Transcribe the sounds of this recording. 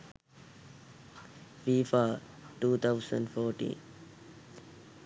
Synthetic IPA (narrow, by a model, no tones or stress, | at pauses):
fiːfaːʈuːt̪ʰaʊsə̰̃ɳɖfoːʈḭ̃ːn